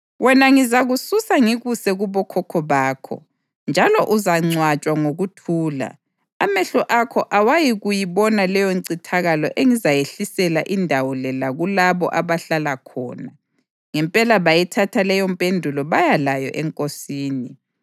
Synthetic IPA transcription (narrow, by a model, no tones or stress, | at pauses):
wɛnaŋizaɣususaŋiɣusɛɣuβɔkʰɔkʰɔβaːkʰɔ̰ | nd͡ʒʱalɔʔuzaŋ͡ǀwat͡ʃʼwaŋoɣutʰuːla̰ | amɛɬɔʔakʰɔʔawajiɣujiβɔnalɛjɔǀitʰaɣalɔ̰ʔeŋizajeɬisɛlaʔindʱawɔlɛlaɣulaβɔ̰ʔaβaɬalakʰɔ̰ːna | ŋɛmpʼɛlaβajɛtʰatʰalɛjɔmpʼendʱulɔβajalajɔ̰ʔɛŋkʼosiːni